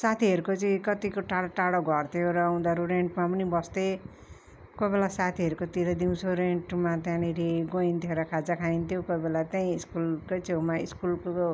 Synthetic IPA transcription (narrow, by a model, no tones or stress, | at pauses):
sat̪ʰiɦʌɾukot͡siĩkʌt̪ikoʈaɽʈaɽaɡʱʌrt̪ʰjoɾʌːw̃d̪aɾuɾeɳʈmapʌnibʌst̪e | kobelasat̪ʰiʌɾukot̪iɾʌd̪iw̃t͡sʰoɾeɳʈmat̪jãniɾiɡoint̪ʰjeɾʌkʰad͡zakʰaint̪ʰjokobelat̪aĩiskulkot͡sewmaiskulko